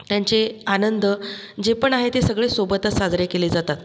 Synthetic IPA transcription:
t̪jaɲt͡seanənd̪əd͡ʑepəɳaɦet̪esəɡɭesobət̪əsad͡zɾekeleːd͡zat̪at̪

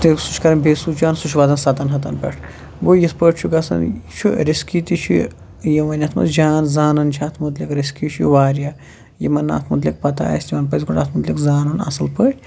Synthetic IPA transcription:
t̪iksu̥t͡ʃʰkɐɾɐnʲbʱeːsuːd͡ʒaːnsut͡ʃʰʋaːd̪ɐnsaːt̪ɐnɦɐt̪ɐnpʲḛʈʰ | boːjispəːʈʰt͡ʃʰuɡɐsɐ̰nt͡ʃʰuɾiskit̪it͡ʃʰḭ | jɐʋɐnʲɐt̪ʰmɐ̰sd͡ʒaːnzaːnɐnt͡ʃʰaːt̪ʰmud̪lʲikɾiskit͡ʃʰiʋaːɾja | jimɐnːa̰ːt̪ʰmud̪lʲik̚pɐt̪a̰ːɐsʲt̪imɐnpɐzʲɡuʈaːt̪ʰmud̪lʲikzaːnunɐ̰sɐlpəʈʲ

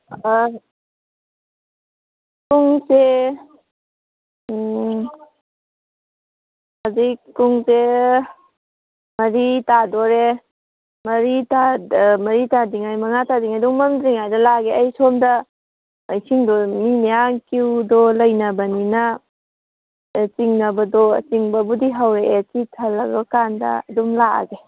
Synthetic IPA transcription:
kuŋse | hazikuŋse | mɐɾitadɔɾe | mɐɾitamɐɾitadiŋajmɐŋatadiŋajduŋmɐmdɾiŋajdɐlaɡeɐjsomdɐː | jsʰiŋdɔmimejaŋkiwdɔlɐjnɐbɐninɐ | t͡ʃiŋnɐbɐdɔt͡ʃiŋbɐbudiɦawɾeːt͡ʃitʰɐlɐɾɐkandɐ̰ɐdumlaa̰ɡe

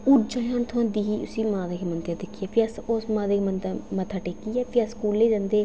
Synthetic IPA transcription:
ʊʈd͡ʒãːɦãːnt̪ʰʊãːd̪iːɦiːʊ̰siːmãːd̪eːkːmənd̪jãːd̪ɪkʰːiaːpʰɪasosmãːd̪eːkmənt̪amət̪ʰaːʈeːkiːɛːpʰɪəskuːlːeːd͡ʒãːnd̪eː

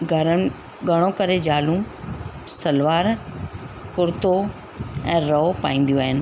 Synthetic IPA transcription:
ɡʱɐɾənɪ̆ | ɡɐɽ̃õkɐɾed͡ʑaːlũ | sɐlʋaːɾ | kʊɾt̪o | ɛ̃ːɾɐopa̰ːĩːn̆d̪ijoaːɦɪnɪ̆

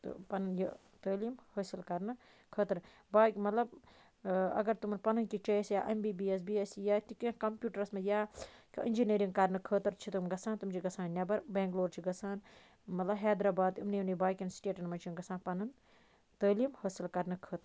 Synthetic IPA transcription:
t̪pɐnɐnjə | t̪əːliːmhəːsilkɐɾnɨ | kʰəːt̪ɐɾ | baːkʲmɐt̪lɐb | ɐ̰ɡɐɾt̪umɐnpɐnɐnkit͡ʃɐisjaːʔɐmbiːbiːes̬biːesjaːt̪ikĩkɐmpʲjuːʈɐɾɐsmɐjaːkḭʔind͡ʒiniːɾĩŋɡkɐɾnɨkʰəːt̪ɐɾt͡ʃʰit̪umɡɐsãːnt̪umt͡ʃʰiɡɐsãːnnʲɐbɐɾbẽːŋkloːɾt͡ʃʰiɡɐsaːn | mɐt̪lɐbɦɛːd̪ɾaːbaːd̪imniunibaːjkʲinsʈeːʈɐnmɐt͡ʃʰinɡɐsãːnpɐnɐn | t̪əːliːmhəːsilkɐɾnɨkʰəːt̪ɾ

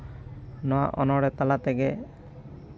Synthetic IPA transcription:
nɔwa̰ʔɔnɔɽɛt̪alat̪ɛɡɛ

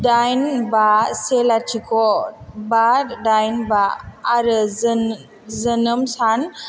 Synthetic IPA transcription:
dajnbaselatʰikʰɔbaɾdajnbaːɾɯz | zənəmsan

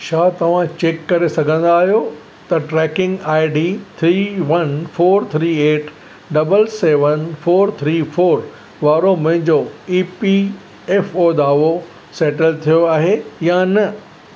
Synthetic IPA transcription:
ʃaːt̪ɐʋ̤ãt͡ɕeːkːɐɾesɐɡʱə̃n̆d̪aːɦijo | t̪ɐʈɾɛːkɪ̃ŋɡaːɪɖiːt̪ʰɾiːʋɐnfoːɾt̪ʰɾiːeːʈ | ɖɐbəlseːʋənfoːɾt̪ʰɾiːfoːɾ | ʋaːɾomɐ̃ɦɪ̃ɲd͡ʑoiːpi | ɛːfoːd̪aːʋo | sɛːʈəlt̪ʰijoaːɦejanɐ

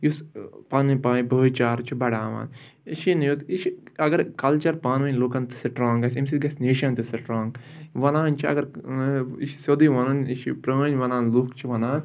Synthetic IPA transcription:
juspaːnʋɐpaːibət͡ʃaːɾt͡ʃʰibɐɽaːʋa̰ːn | iʃinjut̪it͡ʃʰiɐɡɐɾkɐlt͡ʃɐɾpaːnʋɐnʲluːkɐnt̪ɨ̥sɐʈɾãːŋɡɐsʲemsiɡɐsʲneːʃɐnt̪ɨsɐʈɾɔ̃ːŋɡʋɐnaːnt͡ʃʰiɐ̰ɡɐɾ | iʃsod̪iʋɐnɐniʃʰipɾəʋənʲʋɐnaːnluːkt͡ʃʰiʋɐnaːn

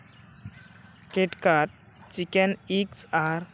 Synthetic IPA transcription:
keʈkaɾʈ̚ | t͡ɕikeniksaɾ

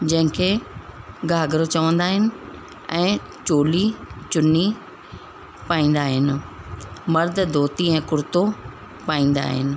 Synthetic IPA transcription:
d͡ʑɐ̃ɦɪ̃kʰeː | ɡʱaːɡɾot͡ɕɐʋə̃nd̪aːɦɪnɪ̆ | ɛ̃ː | t͡ɕoːlit͡ɕʊnːi | paːĩːn̆d̪aːɦɪnɪ̆ | mɐɾd̪ʱd̪ʱoːt̪iɛ̃ːkʊɾt̪o | paːĩːn̆d̪a̰ːɦɪ̰nɪ̆

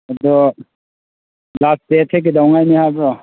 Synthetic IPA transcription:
adɔ | lastetʰek̬idawŋajnihabɾɔ

